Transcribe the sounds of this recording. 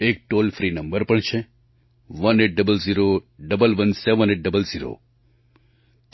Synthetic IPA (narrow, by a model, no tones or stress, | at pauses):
ek̚ʈolfɾinəmbəɾpəɳt͡ʃʰe | ʋəneʈ̚ɖəbəlziɾoɖəbəlʋənseʋəneʈ̚ɖəbəlziɾo̰